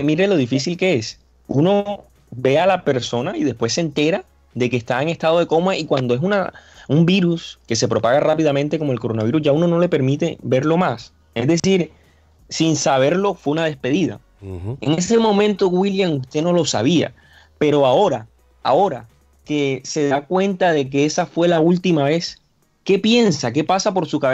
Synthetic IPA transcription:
miɾe̞lo̞ð̞ifisilke̞e̞s | uno̞ | be̞alape̞ɾso̞naiðe̞spwe̞sːent̪e̞ɾa | ðe̞keːst̪aeŋe̞st̪að̞o̞ð̞e̞ko̞maikwand̪o̞e̞s̬una̰umbiɾuske̞se̞pɾo̞paɣarapiðamẽnt̪e̞ko̞moelko̞ɾo̞naβiɾusʝauno̞no̞le̞pe̞ɾmit̪e̞βe̞ɾlo̞mas | e̞zðe̞siɾ | sinsaβ̞e̞ɾlo̞fwe̞unað̞e̞spe̞ðiða̰ | e̞ŋe̞se̞mõ̞mẽ̞nt̪o̞ɣwiljaŋust̪e̞no̞lo̞sa̰βia̰ | pe̞ɾo̞ao̞ɾa | a̰o̞ɾa | ke̞se̞ðakwẽ̞nt̪aðe̞k̬e̞esafwe̞lault̪imaβe̞s | ke̞pje̞nsak̬e̞pasapo̞ɾsukaβe

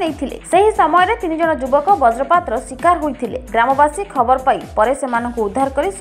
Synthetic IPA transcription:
nejt̪ʰilḛseɦisɔmɔjɔɾet̪inid͡ʒɔɽ̃ɔd͡ʒubɔkɔbɔd͡ʒɾɔpat̪ɾɔswikaɾɦojt̪ʰilḛɡɾamɔbasikʰɔbɔɾɔpajpɔɾesemanɔŋkuud̪ʱːaɾkɔɾis

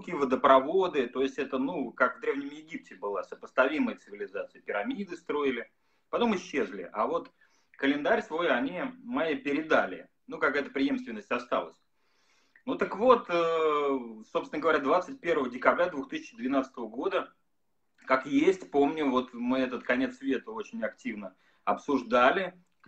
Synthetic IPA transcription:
kʲivəd̪əpɾɐvo̞d̪ɨt̪o̞jɪsʲtʲɛt̪ənukakvd̪ɾʲe̞vnʲɪmjɪɡʲip̚tʲɪbɨlˠasəpəst̪ɐvʲiməjət̪sɨvʲɪlʲɪzat̪sɨjəpʲɪɾamʲid̪ɨst̪ɾo̞ɪlʲɪ | pɐt̪o̞mɪɕːe̞zlʲɪ̰ʔavo̞t̪ | kəlʲɪnd̪aɾʲsvo̞jɐnʲimajipʲɪɾʲɪd̪alʲɪ̰ | nukakajət̪əpɾʲɪje̞mst̪vʲɪnːəsʲtʲɐst̪a̰lˠəsʲ | nut̪əkvo̞t̪ə | so̞psvɪnəɡəvɐɾʲad̪vat̪sɨt̚ʲpʲe̞rvəvədʲɪkɐbɾʲad̪vuxt̪ɨsʲɪt͡ɕd̪vʲɪnat̪sə̥t̪əvəɡo̞d̪ə | kakjesʲtʲpo̞mnʲʊvo̞t̪mɨɛt̪̬ət̪kɐnʲe̞t̪sːvʲe̞t̪əo̞t͡ɕɪnʲɐktʲivnə | ɐpsʊʐd̪alʲɪ

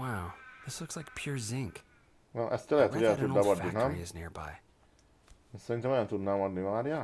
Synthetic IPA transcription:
waʊðɪslʊkslaɪk̚pʰj̥ʊɹzɪ̃ŋk | wɛlʔɛst̪ɛlɛɦɛt̪ːuɡɛt̪ud̪abɔd̪ːinɛmiɪznɪ̰ɹba̰ɪ | nsɛɾint̪ɛmojɔ̃nt̪ud̪namɒd̪nimaːɾja

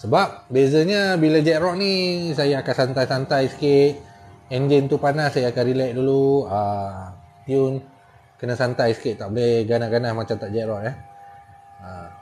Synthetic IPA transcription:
səbap̚bezəɲabilad͡ʒɛʔɾɔʔnisajaːkansant̪ajsant̪ajsə̥kɪt̪̚ɛnd͡ʒint̪upanasajaːkanɾilɛʔ̚duluə | t̪iʊn | kənasant̪ajsə̥kɪt̪̚t̪ːaʔbolɛhɡanaɡanahmat͡ʃamt̪aʔ̚d͡ʒɛʔɾɔʔjah | ə

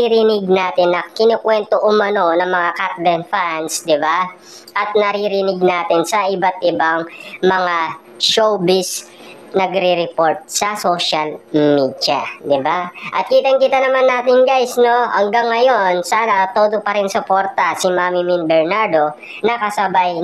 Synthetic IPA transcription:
iɾinɪɡ̚naːt̪ɪnːɐkɪnokwɛnt̪oʔʊmɐno̞nɐŋmɐŋakat̪lɛnfansd̪ɪba | ʔɐt̪̚nɐɾiɾɪnɪɡ̚naːt̪ɪnsɐʔɪbat̪̚ʔɪbaŋmɐŋa | ʃowbɪs | nɐɡɾiɾɛpo̞ɹt̪̚sɐso̞ʃɐlmiːd̪jɐd̪ɪbaʔɐt̪̚kiːt̪ɐŋkit̪ɐnɐmanːaːt̪ɪŋɡajsno̞hɐ̰ŋɡaŋːɐjo̞nsaːnɐt̪oːd̪opɐɾɪnsʊpo̞ɾt̪ɐsɪmaːmɪmɪnbɛɹnaɹd̪o̞ | nɐkɐsɐbaj

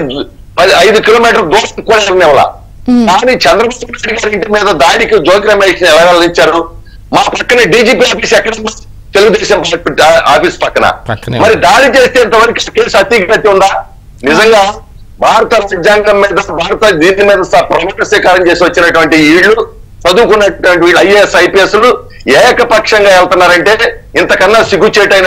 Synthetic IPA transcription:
pɐɐjd̪ukiloːmiːʈ̬ɐɾd̪oːɐnkuɽaːɾɐnɛʋɐla̰ | kaːnit͡ʃɛnd̪ɾɐbɐɐnajɖiɡaːɾiɳʈimiːd̪ɐd̪aːnikid͡ʒoːkiɾɐmeːʂɐnɛʋɐɾaːlɐiɲt͡ʃːaːɾu | maːpɐkːɐnɐɖiːd͡ʒiːpiːaːpiːsɛkːɐɽɐnːɐ | t̪eluɡud̪ɛːʃɐmpaaːpiːspɐkːɐnɐ̰mɐɾid̪aːɽit͡ʃe̞ːst̪eːɐnt̪ɐʋɐɾɐkiaːkeːsɐt̪iːkpɐt̪ːiund̪aː | nizɐŋɡaː | bʱaːɾɐt̪ɐlɐid͡ʒaːŋɡɐmːiːd̪ɐbʱaːɾɐt̪ɐd̪iːnimiːd̪ɐsɐpɾɐmɐkɐsʋiːkaːɾɐmt͡ʃeːsiʋɐt͡ʃːinɐʈuʋɐɳʈiiːɽlːu | sɐd̪uːkunːɐʈuʋɐɳʈiʋiːɐjsɐjpieslu | ɛːjɐkɐpɐkʂɐŋɡaːɛlt̪unːaːɾɐɳʈe̞ː | int̪ɐkɐnːɐsiɡut͡ʃɛːʈɐjn

